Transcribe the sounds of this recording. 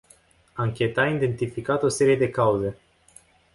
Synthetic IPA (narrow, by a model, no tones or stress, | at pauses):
aŋkʲe̞t̪aind̪e̞nt̪ifikat̪o̞se̞ɾije̞d̪e̞kauze̞